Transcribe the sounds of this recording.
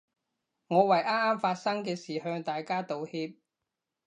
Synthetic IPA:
ŋɔː˨˧wɐ˨˩jʔaː˥maː˥mfaː˧t̚sɐ˥ŋkɛː˧siː˨˩hœː˧ŋt̪aː˨jkaː˥t̪o˨˧whiː˧p̚

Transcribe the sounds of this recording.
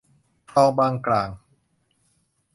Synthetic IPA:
t̪ʰɔː˧ŋbaː˧ŋklaː˨˩ŋ

